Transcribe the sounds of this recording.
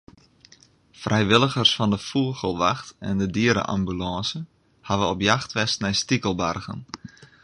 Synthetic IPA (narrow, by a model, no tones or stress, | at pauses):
frʔɛjʋɪlˠəɣərsfɔndəfuəɣəlˠʋaxtɛ̰ndədiəɾə̰ʔa̰mbylɑ̃sə | haʋəɔpjaxtʋɛstnɛjstikəlˠbarɣə̰n